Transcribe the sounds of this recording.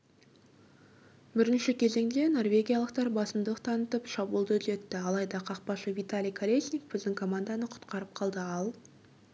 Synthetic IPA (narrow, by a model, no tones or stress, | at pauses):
bɪɾɪnʃɪkʲʰe̞ze̞ŋd̪e̞no̞rvʲe̞ɡʲijɑlˠəq̚t̪ɑɾbɑsəmd̪əlˠəq̚t̪ʰɑnət̪əpʃɑbulˠd̪ət̪le̞t̪ːɪɑlˠɑjd̪ɑqʰɑq̚pɑʃəvit̪alʲijkʰalʲesʲnʲik̚bɪzd̪ɪŋkʰo̞mand̪ɑnəqʰʊ̥t̪qɑɾəp̚qʰɑlˠd̪əɑlˠ